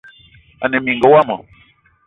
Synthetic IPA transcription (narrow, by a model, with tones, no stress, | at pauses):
a̰˨ne˨mi˨ŋɡə˨wa˦mə̰˨